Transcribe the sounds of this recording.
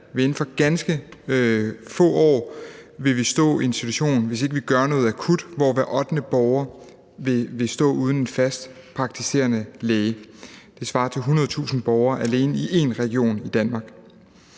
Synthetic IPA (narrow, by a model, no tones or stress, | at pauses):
ʋee̝n̩fɒ̽ɡ̥ænsɡ̥ə | fɔ̰̽ːɒ̰ːʋe̝ʋisd̥ɔ̰̽ːiensd̥it͡sʰuɕo̝̰ːnn̩ʋe̝s̬e̝ɡ̥əʋiɡ̥ɶɐnɔ̽ːð̞̩ˠækʰud̥ʋɒ̰ʋæɐʔɒ̽d̥nəb̥ɒʊɐ | ʋe̝ʋe̝sd̥ɔ̰̽ːuːð̞ˠn̩e̝nfæsd̥ | pʰʁɑ̈ɡ̥̚t͡sʰise̝̰ɐnəlɛːɪəd̥e̝sʋɑ̈ːt͡sʰe̝lɦunɐðˠt͡sʰṵːsn̩b̥ɒʊɐːʔæle̝ːnəiʔe̝nʁɛɡ̥io̝̰ːnid̥ænmɑ̈ːɡ̥